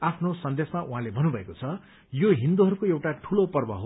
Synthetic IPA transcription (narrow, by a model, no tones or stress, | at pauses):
apʰnosʌnd̪esmaʔuɦãlebʱʌnːubʱʌekot͡sʰʌ | joɦind̪uɦʌɾukoewʈaʈʰulopʌrbʌ̰ɦo